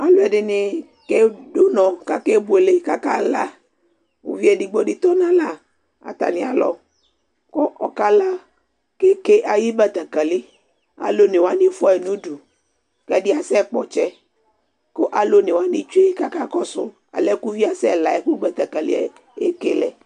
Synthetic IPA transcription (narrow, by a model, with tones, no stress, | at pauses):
a˨lo˨˦ɛ˨ɖɪ˨nɪ˨ | ke˦do˦nɔ̃˨ka˦ke˦bu˨e˨le˦ka˦ka˦la˦ | o̰˨vi˦ɛ˨di˨ɡ͡bo˦ɖɪ˨t̪ɔ˦nã˦la˨ | a̰˨t̪a̰˨nɪ̃˨a̰˨lɔ̰˨ | ko˦ʔɔ˨ka˦la˦ | ke˦ke˦ʔa˨ji˦ba˦t̪a˨ka˨lɪ˦ | a̰˨lo˦nɪ˨wa˦nĩ˦fɛ˨nũ˦du˨ | kɛ˦dɪ˦a˨sɛ˦k͡pɔ˨t͡ʃɛ˦ | ko˦ʔa˨lo˦nɪ˨wa˦nĩ˨t͡ʃu˦e˦ka˦ka˦kɔ˦sʊ̰˦ | a̰˨lɛ˦ku˦vi˦a˨sɛ˦˨la˨ɛ˦ku˦ɡ͡ba˨t̪a˨ka˨lḭ˦˨ | e˦ke˨lɛ̰˨